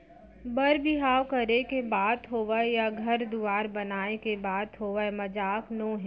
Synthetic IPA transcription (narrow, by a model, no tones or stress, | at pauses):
bɐɾbɪɦaːwkɐɾekebaːd̪ɦoːʋəjaɡʱɐɾd̪uaːɾbɐnaːekebaːd̪ɦoːʋəmɐd͡ʒaːknõːɦɛ̃ː